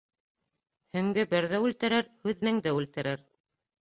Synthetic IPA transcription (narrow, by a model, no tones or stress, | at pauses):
hɵ̆ŋɡɘbɘɾðæʉlt̪ɘ̆ɾɘɾhʉðmæŋd̪æʉlt̪ɘ̆ɾɘɾ